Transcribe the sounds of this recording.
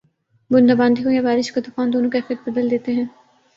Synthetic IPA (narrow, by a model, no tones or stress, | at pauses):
bʊnd̪aːbãːnd̪iɦoːjãbaːɾɪʃkat̪ʊfaːnd̪oːnõːkɛːfəʈ̚bəd̪əld̪eːt̪eɦɛ̃ː